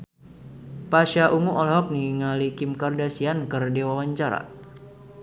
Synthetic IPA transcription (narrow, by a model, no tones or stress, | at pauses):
paʃaʔuŋuʔɔlɦɔk̚niŋalikɪmkardasiankɨrdewawaɲt͡ʃaɾa̰